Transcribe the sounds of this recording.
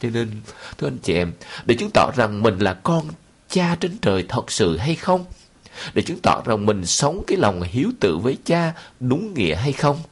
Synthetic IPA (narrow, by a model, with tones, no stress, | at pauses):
t͡ɕne˧nt̪ʰɨ˧əʔa˧nt͡ɕḭ˧ʔɛ˧˩mɗe˧˩t͡ɕɨ˨˦ŋt̪ɔ̰˧˥za˨˩ŋmï˨˩ŋ̟laː˨˩kɔ˧n | t͡ɕaː˧t͡ɕe˧nt͡ɕəː˨˩jt̪ʰə˨˩t̚sɨ̰˧˨ɦa˧jxə˧wŋ͡m | ɗḛ˧˩t͡ɕɨ˨˦ŋt̪ɔ̰˧˨za˨˩ŋmï˨˩ŋ̟sə˨˦wŋ͡mkaː˨˦jla˨˩wŋ͡mhi˨˦əwt̪ɨ̰˧˨vəː˨˦jt͡ɕaː˧ɗʊ˨˦ŋːḭ˧˨əɦa˧jxə˧wŋ͡m